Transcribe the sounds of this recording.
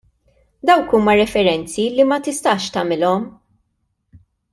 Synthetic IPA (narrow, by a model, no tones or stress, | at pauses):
d̪ɐwkuːmɐɾɛfɛɾɛnt͡silimɐt̪ɪst̪ɐːʃt̪ɐmɪlɔm